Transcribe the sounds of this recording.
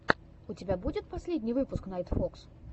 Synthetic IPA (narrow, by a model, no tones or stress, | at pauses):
ʊtʲɪbʲabud͡zʲɪt̪̚pɐsʲlʲedʲnʲijvɨpʊsknɐjt̪foks